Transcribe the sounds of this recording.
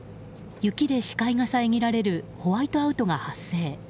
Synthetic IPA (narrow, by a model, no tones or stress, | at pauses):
jɯ̟kʲid̪e̞ɕi̥kaiŋasaeŋʲiɾaɾe̞ɾɯ̟ho̞βait̪o̞aɯ̟t̪o̞ŋɡahasːe̞ː